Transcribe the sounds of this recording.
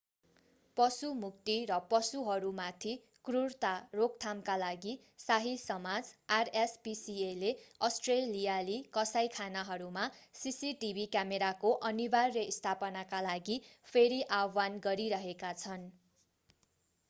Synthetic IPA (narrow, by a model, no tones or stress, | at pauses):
pʌsumukt̪iɾʌpʌsuɦʌɾumat̪ʰi | krurt̪arok̚t̪ʰamkalaɡi | saɦisʌmad͡zarespisieleʌsʈrelijalikʌsajkʰanaɦʌɾumasisiʈibʱikjameɾakoʔʌnibarːʌist̪ʰapʌnakalaɡipʰeɾiʔawanɡʌɾiɾʌɦekat͡sʰʌn